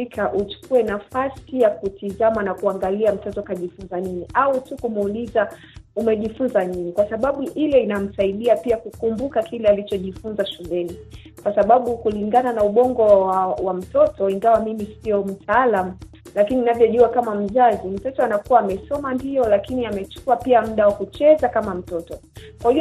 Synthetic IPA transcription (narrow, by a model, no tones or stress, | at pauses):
ikʰaʔut͡ʃu̥kuwɛnafasijakutizamanakuaŋɡaliam̩tɔtɔkaʄifunzaniniʔautukumuliza | umɛʄifunzaniɲikwasaɓaɓuʔilɛinam̩saiɗiapiakukumbukakʰilɛalit͡ʃɔʄifunzaʃulɛni | kwasaɓaɓukuliŋɡananauɓɔŋɡɔwam̩tɔtɔiŋɡawamimisiɔm̩tʰaːlamu | lakininavjɔʄuakamam̩zazim̩tɔtɔanakuwaːmɛsɔmandiɔlakiniamɛt͡ʃu̥kuapiam̩ɗawakut͡ʃɛzakamam̩tɔtɔkwahi